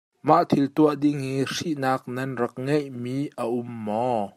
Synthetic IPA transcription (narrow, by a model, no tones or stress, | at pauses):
maʔt̪ʰilt̪uəʔdiŋiʂiʔnaːk̚nɐnrɐk̚ŋejʔmiʔəʔʊmːɔ